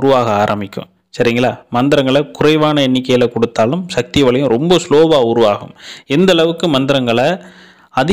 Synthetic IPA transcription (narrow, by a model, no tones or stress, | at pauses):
ɾʊʋaːɣɐaːɾɐmɪkʲːɯ̰̃m | sɐɾɪŋɡɐlaːmɐnd̪ɪɾɐŋɡɐɭɐkʊrɐɪʋaːnɐɛnːɪkːɐjɐlɐkɔɽɯt̪ːaːlɯmsɐk̚t̪ɪʋɐɭɐjɯ̃ɾɔmbɐsloːbaːʊɾʊʋaːɣɯ̰mɛnd̪ɐɭɐʋɯkːɯmɐnd̪ɪɾɐŋɡɐɭɐ | ɐðɪ